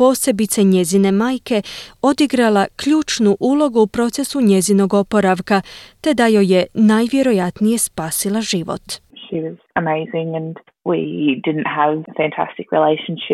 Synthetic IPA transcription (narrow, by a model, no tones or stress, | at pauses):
po̞ːse̞bit̪seɲe̞zine̞maːjke̞o̞d̪iɡɾalakʎuːt͡ʃnuʔuːlˠo̞ɡuːpɾo̞t̪se̞suɲezino̞ɡo̞po̞ɾaʋkat̪e̞d̪ajo̞je̞naːjʋje̞ɾo̞jat̪nije̞spaːsilaʒiʋo̞̰t̪ʃiwɒz̥ | əmeɪzɪ̃ŋɨ̃n | wḭdɪdⁿn̩tɦəv̥fæ̃ntʰæ̰stɪkɹḭleɪʃə̃n̩ʃɪ